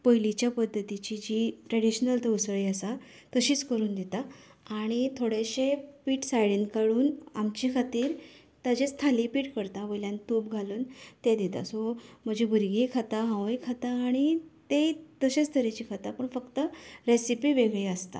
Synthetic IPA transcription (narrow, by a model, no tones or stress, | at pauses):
pəjlit͡ɕjapəd̪ʱːət̪it͡ɕid͡ʑiʈɾeɽiɕnəlt̪əusɭiəsa | t̪əɕiːt͡skəɾuːnd̪it̪aaɽ̃it̪ʰoɽeɕepiːʈsajɽinkaɽuːnamt͡ɕikʰat̪iːɾ | t̪ad͡ʑest̪ʰalipiːʈkəɾt̪aʋəjljãnt̪up̚ɡʱaluːnt̪ed̪it̪a̰sɔm̤əd͡ʑibʱuɾɡikʰat̪aɦãʋjkʰat̪aːɽ̃it̪et̪əɕet͡st̪ʰəɾet͡ɕikʰat̪apəɳfəkt̪əɾesipiːʋeɡɭeəst̪a̰